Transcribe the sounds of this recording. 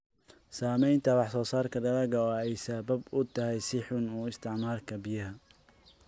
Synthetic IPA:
saːmɛjnt̪ʰɐwɑħsɔːsaːrkʰɐd̪ɐlɐɣɐɔːɛjsɐbɐbʊt̪ʰɐɦɛjsɪħʊnuːɪst̪ʰɪʕmaːrkʰɐbɪjɐɦɐ

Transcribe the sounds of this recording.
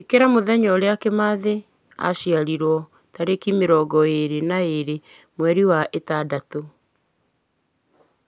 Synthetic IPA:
ekeɾamoðɛɲɔɾeakemaðe | a̰ʃiaɾiɾwɔ | taɾekimeɾɔːɡɔeɾenaeɾe | mwɛɾiwaʔetadato

